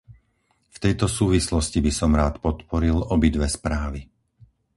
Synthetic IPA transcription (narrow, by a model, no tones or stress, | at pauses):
ft̪ɛjt̪ɔsuːʋislɔscibisɔmɾaːt̪pɔt̪pɔɾilɔbid̪ʋɛspɾaːʋi